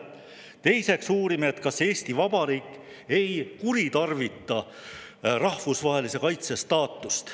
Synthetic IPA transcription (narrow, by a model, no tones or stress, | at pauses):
t̪e̞jse̞ksuːɾimeet̪kɑse̞ːst̪ivɑbɑɾiːkˑː | e̞jkuɾit̪ɑrvit̪ːˑɑ | rɑhvusvɑɦe̞lise̞kɑjt̪se̞st̪ɑːt̪ˑːust̪